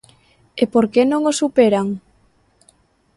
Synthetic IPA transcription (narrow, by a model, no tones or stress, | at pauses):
epoɾkenõŋosupeɾaŋ